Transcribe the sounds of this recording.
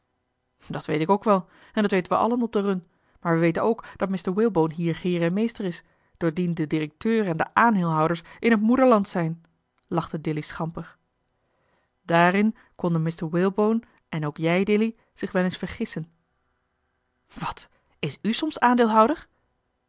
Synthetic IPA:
dɑtʋejtɪkowkʋɛlˠ | ɛndɑtʋejtənʋəʔɑ̰lənɔb̚dərɵn | maːɹʋəʋejtənowkd̥ɑt̚mɪstəɹwɪlˠbownɦiːɹχɪːɹɛnmejstəɹɪs | d̥ʊːɹdindədirək̚tøːɹɛndəʔaːnɦɪlˠɦʌwdəɹsʔɪnɦətmudəɹlɑntsɛjn | lɑχtədɪlisχɑmpəχ | d̥aːrɪn | kɔndənmɪstəɹwɪlˠbown | ʔɛnowkjɛjdɪli | z̥ɪχʋɛlensfəɹχɪsən | ʋɑt | ɪsysɔmsaːndɪːlˠɦʌwdəɹ

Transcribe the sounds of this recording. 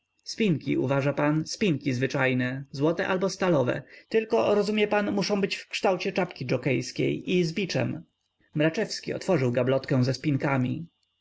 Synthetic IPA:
spʲiŋkʲḭʔṵvaʐapanspʲiŋkʲizvɘt͡ʂajnɛzwɔt̪ɛʔalbɔst̪alɔvɛ̰t̪ɘlkɔɾɔzumʲjɛpanmuʂɔ̃w̃bɘt͡ɕfkʂt̪awt͡ɕɛt͡ʂapkʲid͡ʐɔkɛjskʲḛjʔizbʲit͡ʂɛ̰m | mɾat͡ʂɛfskʲiɔ̰t̪fɔʐɘwɡablɔt̪kɛ̃w̃zɛspʲiŋkamʲḭ

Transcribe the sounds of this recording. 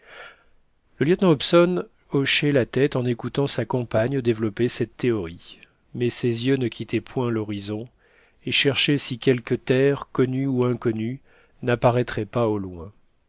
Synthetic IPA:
ləljœt̪nɑ̃ɔpsɔn | ɔʃɛlat̪ɛt̪ɑ̃nekut̪ɑ̃sakɑ̃paɲəd̪evlɔpesɛt̪ːeɔʁi | mɛsezjønəkʲʰit̪ʰɛpʰwɛ̃lɔʁizɔ̃ | eʃɛʁʃesikʲɛlkʲət̪ɛʁkɔnyuɛ̃kɔny | napaʁɛt̪χɛpaolwɛ̰̃

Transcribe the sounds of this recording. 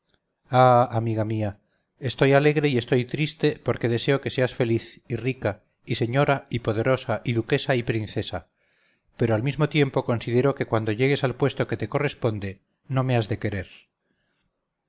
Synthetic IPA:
aamiɣamia | est̪o̞jale̞ɣɾe̞ie̞st̪o̞jt̪ɾist̪e̞po̞ɾke̞ðe̞se̞o̞ke̞se̞asfe̞liθirika | ise̞ɲo̞ɾaipo̞ðeɾo̞saʔiðuke̞saipɾinθe̞sa | pe̞ɾoalmizmo̞t̪je̞mpo̞ko̞nsiðe̞ɾo̞ke̞kwand̪o̞ʎe̞ɣ̞e̞salpwe̞st̪o̞ke̞t̪e̞ko̞re̞spo̞nd̪e | nõ̞me̞azðe̞ke̞ɾe̞ɾ

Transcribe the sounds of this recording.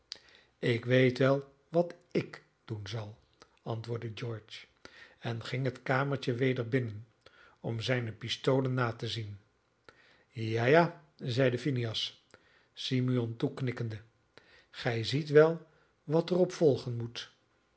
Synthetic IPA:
ɪkʋejtʋɛlˠ | ʋɑtɪk | d̥unzɑlˠ | ɑ̰ntʋʊːɹdəd͡ʒɔɹt͡ʃ | ɛnχɪŋɦətkaːməɹt͡ʃəʋejdəɹbɪnən | ɔmzɛjnəpɪstowlənːaːtəzin | jajaː | zɛjdəfiniɑs | simyɔntuknɪkəndə | χɛjzitʋɛlˠ | ʋɑtərɔpfɔlˠχənmut

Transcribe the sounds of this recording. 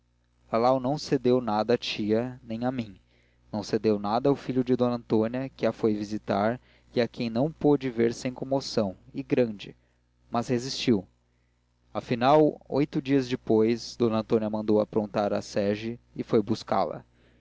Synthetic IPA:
alawnɐ̃w̃sed̪ewnad̪ɐːt͡ʃiɐnẽj̃ɐmĩŋ | nɐ̃w̃sed̪ewnad̪ɐʊfiʎʊd͡ʒɪd̪õnɐ̃nt̪õniɐkɪafojvizit̪aɾ | iakʰẽj̃nɐ̃w̃pod͡ʒɪveɾsẽj̃kõmosɐ̃w̃ɪɡɾɐ̃d͡ʒɪ | mɐzhezist͡ʃiw | afinawo̰jt̪ʊd͡ʒiɐzd͡ʒɪpojzsd̪õnɐ̃nt̪õniɐmɐ̃nd̪owɐpɾõnt̪aɾasɛʒɪːfojbuska̰lɐ̰

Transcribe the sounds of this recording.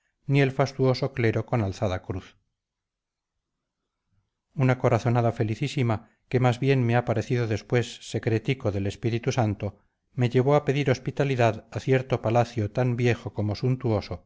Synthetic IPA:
nie̞lfast̪uo̞so̞kle̞ɾo̞ko̞nalθaðakɾuθ | unako̞ɾaθo̞naðafe̞liθisima | ke̞mazβje̞nmeapaɾe̞θiðo̞ðe̞spwe̞sːe̞kɾe̞t̪iko̞ðe̞le̞spiɾit̪usant̪o | me̞ʎe̞β̞oape̞ðiɾo̞spit̪aliðaðaθje̞ɾt̪o̞palaθjot̪ambje̞xo̞ko̞mo̞sunt̪uo̞so̞

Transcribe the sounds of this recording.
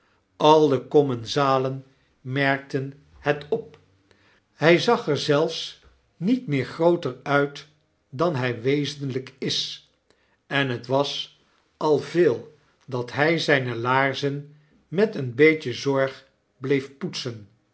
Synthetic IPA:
ʔɑlˠdəkɔmɛnzaːlən | mɛɹk̚tən | hɛtɔp̚ | hɛjzɑχɛɹzɛlˠfs | nitmɪːɹχrowtəɹœɥt | dɑnɦɛjʋejzənləkɪs | ɛnɦətʋɑs | ɑlˠveːlˠ | dɑtɦɛjzɛjnəlaːɹzən | mɛtənbejcəzɔɹχ | blejfputsən

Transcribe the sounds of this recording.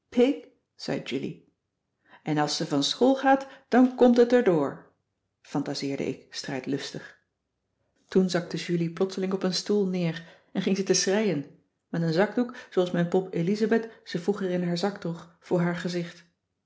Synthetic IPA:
pʰɪk | z̥ɛ̰jd͡ʒylḭ | ʔɛnɑlˠsəvɑnsχolˠχaːtd̥ɑnkɔmtɦətəɹdʊːɹ | fɑntazɪːɹdə̰ʔɪ̰kstrɛjtlɵstəχ | tunzɑk̚təʒyliplɔtsəlɪŋɔpənstulˠnɪːr | ɛnχɪŋzətəsrɛjən | mɛtənzɑɡdukzoɑlˠsmɛjnpɔpelizabɛtz̥əvuχərɪnɦaːɹzɑktoχfʊːɹɦaːɹχəzɪχt

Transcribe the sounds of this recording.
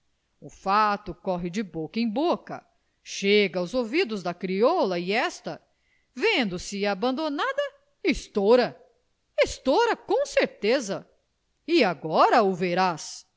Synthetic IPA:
ʊfat̪ʊkɔɦɪd͡ʒɪbokɐẽj̃bokɐ̰ | ʃeɡɐʊzovid̪ʊzd̪ɐkɾiɔlɐiɛst̪ɐ | vẽnd̪ʊsɪabɐ̃nd̪onad̪ɐ | ist̪oɾɐ | ist̪oɾɐkõseɾt̪ezɐ | ɪaɡɔɾɐʊveɾas

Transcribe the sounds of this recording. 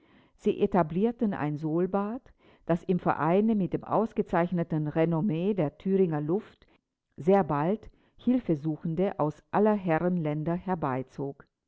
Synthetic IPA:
z̥iːʔetabliːɐtn̩a̰ɪnzoːlbaːt | d̥asɪmfɛ̰ɐʔa̰ɪnəmɪt̚d̥eːmʔa̰ʊsɡ̥ət͡saɪçnətn̩ʁenomeːdeːɐtʰyːʁɪŋɐlʊft | z̥eːɐbalt | hɪlfəzuːxn̩dəʔaʊsʔalɐɦɛʁənlɛndɐhɛɐbaɪt͡soːk

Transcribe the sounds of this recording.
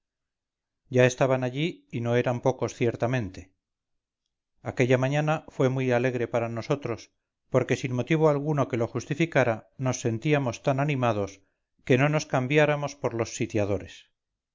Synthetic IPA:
ɟ͡ʝaest̪aβanaʎiːno̞e̞ɾampo̞ko̞sθje̞ɾt̪amẽ̞nt̪e̞ | akeʎamãɲanafwe̞mwujale̞ɣɾe̞paɾano̞so̞t̪ɾo̞s | po̞ɾke̞sinmo̞t̪iβ̞oalɣ̞uno̞ke̞lo̞χust̪ifikaɾano̞sːe̞nt̪iamo̞st̪ananimaðo̞s | ke̞no̞no̞skambjaɾamo̞spo̞ɾlo̞sːit̪jaðo̞ɾes

